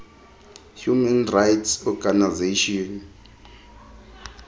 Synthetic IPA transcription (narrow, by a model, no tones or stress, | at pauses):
hjumɛnrajtʰsɔɡanazeʃiɔn